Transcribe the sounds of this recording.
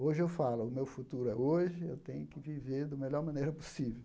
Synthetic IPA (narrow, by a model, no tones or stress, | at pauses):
oʒɪewfalʊʊmewfut̪uɾʊɛoʒɪewt̪ẽɲʊkɪviveɾd̪ʊmelɔɾmɐ̃nejɾɐposivew